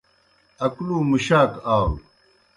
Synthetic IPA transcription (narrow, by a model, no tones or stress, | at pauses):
ɐkluːmuɕaːkaːw